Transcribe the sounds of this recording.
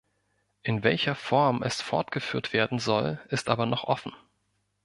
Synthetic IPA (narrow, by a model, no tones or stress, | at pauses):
ʔɪnvɛlçɐfɔɐmʔɛ̰sfɔɐtɡ̥əfyːɐtv̥eːɐdn̩zɔlʔɪstʔaːbɐnɔχʔɔ̰fn̩